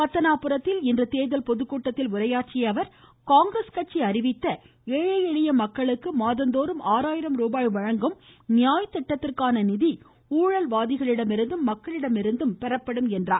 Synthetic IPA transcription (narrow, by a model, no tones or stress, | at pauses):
pɐt̪ːɐnaːpːɯɾɐt̪ːɪlɪndrɯt̪eːðɐlpɔðɯkːuːʈːɐt̪ːɪlʊɾɐjaːʈt͡ʃɪjɐʋɐɾkaːŋɡɾɐskɐʈ̚t͡ʃːiɐɾɪʋɪt̪ːɐ | eːɻɐjɛɻɪjɐmɐkːɐɭɯkːɯmaːðɐnd̪oːɾɯmaːɾaːjɪɾɐmɾuːbaːjʋɐɻɐŋɡɯm | nɪjaːjt̪ːɛʈːɐt̪ːɪrkaːnɐnɪði | uːɻɐlʋaːðɪɣɐɭɪɽɐmɪɾɯnd̪ɯmːɐkːɐɭɪɽɐmɪɾɯnd̪ɯmpɛɾɐpːɐɽɯmɛndraː